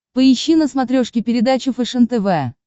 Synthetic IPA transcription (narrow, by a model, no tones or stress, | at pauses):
pəɪɕːinəsmɐt̪ɾʲoʂkʲɪpʲɪɾʲɪd̪at͡ɕʊfɛʂɛnt̪ɛvɛ